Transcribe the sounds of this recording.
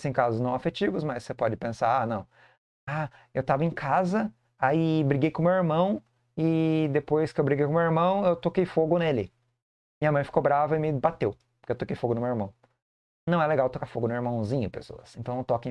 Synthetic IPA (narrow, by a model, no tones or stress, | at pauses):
sẽj̃kazʊznɐ̃w̃afet͡ʃivʊsmɐsːepɔd͡ʒɪpẽsaɾanɐ̃w̃ | a | ewt̪avɐẽkʰazɐ | aibɾiɡejkõmewiɾmɐ̃w̃ | ɪd̪epojskɪewbɾiɡejkõmewiɾmɐ̃w̃ewt̪okejfoɡʊnelɪ | mĩɲɐmɐ̃j̃fi̥kobɾavɐɪmɪbat̪ew | po̥ɾkewt̪okejfoɡʊnʊmewiɾmɐ̃w̃ | nɐ̃w̃ɛleɡawt̪okaɾfoɡʊnʊiɾmɐ̃w̃zĩɲʊpḛso̰ɐsẽnt̪ɐ̃w̪̃ẽt̪ɔkɪ̃